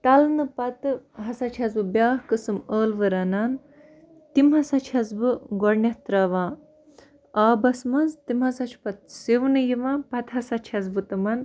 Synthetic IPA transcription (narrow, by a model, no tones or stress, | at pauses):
t̪ɐlnɨpɐt̪ɨɦɐsɐt͡ʃʰɐzbɨbjaːɦkɨsɨməːlʋɨɾɐnaːn | t̪imɦɐsɐt͡ʃʰɐzbɨɡɔɽnjɐht̪ɾɐːʋãː | aːbɐsmɐnzt̪imɦɐsɐt͡ʃʰpɐt̪̚siʋnɨjiʋãːpɐt̪ɦɐsɐt͡ʃʰɐzbɨt̪ɨmɐn